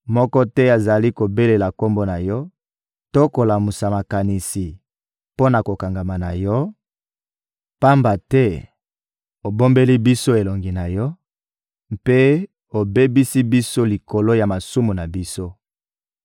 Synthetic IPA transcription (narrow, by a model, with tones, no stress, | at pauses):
mɔ˦kɔ˦tɛ˦a˨za˨li˦ko˨be˦le˨la˨ko˦mbo˦na˨jɔ˦ | to˦ko˨la˨mu˨sa˨ma˨ka˨ni˨si˨ | po˦na˨ko˨ka˨ŋɡa˨ma˨na˨jɔ˦ | pa˦mba˨tɛ˦ | o˨bo˦mbe˦li˦bi˦so˦e˨lo˨ŋɡi˨na˨jɔ˦ | mpe˦ | o˨be˦bi˦si˦bi˦so˦li˨ko˨lo˦ja˨ma˨su˦mu˨na˨bi˦so˦